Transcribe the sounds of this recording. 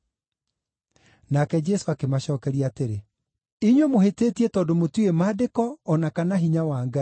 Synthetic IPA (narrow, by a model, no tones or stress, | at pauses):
nakɛd͡ʒɛsoakemaɕɔːkɛɾiateɾe | iɲwemoheteːtietɔːndomotuemaːdekɔːnakanaɦiɲawaːŋɡa